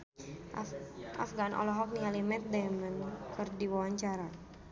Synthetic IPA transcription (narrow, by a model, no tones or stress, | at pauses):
ʔa̰fɡanʔɔ̰lɔɦɔk̚nialimɛt̪̚dajmənkɨrdiwawaɲt͡ʃaɾa